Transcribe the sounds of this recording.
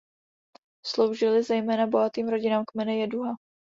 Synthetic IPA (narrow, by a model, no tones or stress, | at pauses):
slo̞wʒɪlɪzɛjmɛːnabo̞ɦat̪iːmɾo̞ɟɪnaːmkmɛnɛjɛduɦa